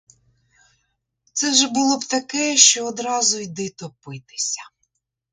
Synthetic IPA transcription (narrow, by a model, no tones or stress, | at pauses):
t̪sɛʒɛbʊlˠɔbt̪ɐkɛʃt͡ʃɔːd̪ɾɑzʊjd̪ɪt̪ɔpɪt̪ɪ̥sʲɐ̥